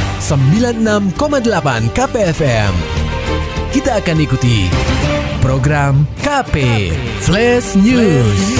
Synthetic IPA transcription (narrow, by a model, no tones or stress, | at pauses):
səmbilanənamkomadəlapankapeɛfɛm | kit̪aːkanikut̪ḭ | pɾoɡɾamkapeflɛsnus